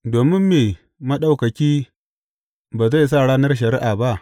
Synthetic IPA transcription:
doː˨mɪ˦mːeː˨ | mɐ˦ɗa˨wkɐ˨kʲiː˦ | baː˨za˦˨s̬aː˦˨ɽaː˦nɐ˦rʃ̬ɐ˨ɾi˦ʔaː˨ba˦ʔ

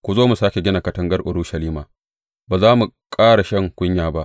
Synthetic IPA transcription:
kʷu˨zoː˦mu˨saː˦kʲe˨ɡʲɪ˦naː˨kɐ˦tɐ˦ŋɡɐ˦rʔʊ˨ɽuː˦ʃɐ˨liː˦maː˨ | baː˨zaː˦mu˨ | kʼaː˦ɽa˨ʃɐ˦ŋkʷʼʊ˦ɲjaː˨ba˦ʔ

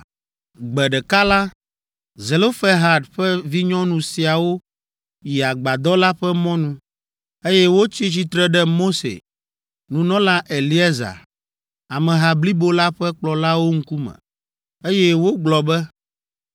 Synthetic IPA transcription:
ɡ͡bɛ˨ɖɛ˨ka˦la˦ | ze˨lo˦fɛ˦ɦa˨dɸɛ˦vi˦ɲɔ̃˦nũ˨si˨a˨wo˦ | ji˨a˨ɡ͡ba˨d̪ɔ˦la˦ɸɛ˦mɔ̃˦nũ˨ | e˦jɛ˦wo˦t͡ɕi˦t͡ɕi˦t̪ɾɛ˦ɖɛ˦mo˦sḛ˨ | nũ˨nɔ̃˦la˦ʔe˨li˦e˦za̰˨ | a˨mɛ̃˨ɦa˨bli˦bo˦la˦ɸɛ˦k͡plɔ˨la˦wo˦ŋ̩˦ku˦mɛ̰̃˨ | e˦jɛ˦wo˦ɡ͡blɔ˨bɛ˦

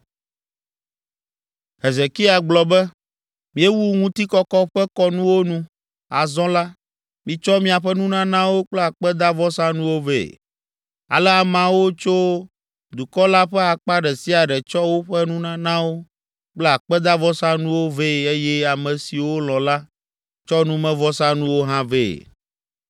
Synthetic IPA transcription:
ɦe˨ze˨ki˦a˨ɡ͡blɔ˨bɛ˦ | mĩ˦e˦wu˦ŋũ˦t̪i˦kɔ˦kɔ˦ɸɛ˦kɔ˦nũ˦wo˦nũ˦ | a˨zɔ̃˦la˦ | mĩ˨t͡ʃɔ˦mĩ˦a˨ɸɛ˦nũ˦nã˦nã˦wo˦k͡plɛ˦a˨k͡pɛ˦d̪a˦vɔ˦sã˦nũ˦wo˦vḛ˨ | a̰˨lɛ˦a˨mã˨wo˦t͡ʃo˦ | d̪u˨kɔ˦la˦ɸɛ˦a˨k͡pa˦ɖɛ˨si˦a˨ɖɛ˨t͡ʃɔ˦wo˦ɸɛ˦nũ˦nã˦nã˦wo˦ | k͡plɛ˦a˨k͡pɛ˦d̪a˦vɔ˦sã˦nũ˦wo˦ve˦˨e˦jɛ˦a˨mɛ̃˨si˨wo˦l̃ɔ̃˨la˦ | t͡ʃɔ˦nũ˦mɛ̃˦vɔ˦sã˦nũ˦wo˦ɦã˦vḛ˦˨

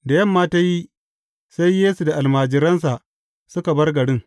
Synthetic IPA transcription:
da˨jɐ˦˨mːaː˦ta˦ji˦ | sa˦jːeː˦su˨da˨ʔa˨lmaː˨d͡ʒɪ˨ɾɐ˦ns̬a˨ʔ | sʊ˦ka˨bɐ˦rɡɐ˨ɽɪ˦ŋ

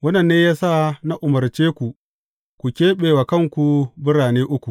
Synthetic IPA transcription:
wɐ˦nɐ˨nːeː˦jaː˦sa˦˨na˦ʔʊ˨mɐ˨rt͡ʃeː˦kʷu˨ | kʷu˨kʲeː˦ɓeː˨wa˨kɐ˦˨ŋkʷu˨bɪ˦ɽaː˨neː˦ʔʊ˦kʷu˨

